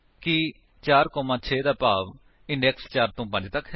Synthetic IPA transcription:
kɪ | t͡ʃaːɾkɔːmãːt͡ʃʰeːd̪aːpaːʋ | ɪ̃ɳɖɛːkst͡ʃaːɾt̪õːpə̃ɲd͡ʒt̪əkʰ

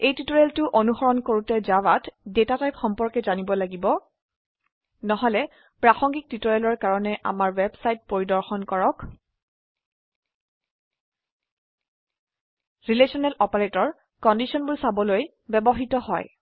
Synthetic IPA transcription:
ejtitɔɹɛltʊʔonuxɔɹɔnkoɹutɛzawatdetatajpxɔmpɔɹkɛzanibɔlaɡibɔ | nɔɦɔlɛ | pɹaxɔŋɡik̚titɔɹɛlɔɹkaɹɔnɛʔa̰maɹwɛbsajt̚poɹidɔɹxɔnkɔɹɔk | ɹilesɔnɛlʔɔpaɹetɔɹ | kɔndisɔnbulsabɔloj | bɛbɔɦitɔɦɔj

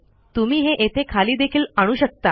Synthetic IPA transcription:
t̪um̤iːɦeʔet̪ʰekʰaliːd̪ekʰiːlaɽ̃uːɕək̚t̪a

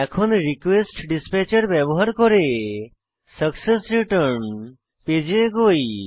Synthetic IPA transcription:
ɛkʰɔnɾikʋesʈɖispɛt͡ɕəɾbjɛbɔɦaɾkɔɾe | səksesɾiʈəɾɳ | ped͡ʑeɡoi

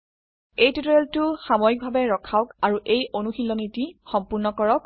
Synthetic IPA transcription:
ejtutɔɹeltʊxamɔjik̚bʱabɛɹɔkʰaʊkaɹuʔejonuxilɔnitixɔmpʊɹnɔkɔɹɔk

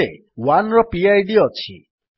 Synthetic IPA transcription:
ḛ | wanɾɔpiajɖiɔt͡ʃʰḭ

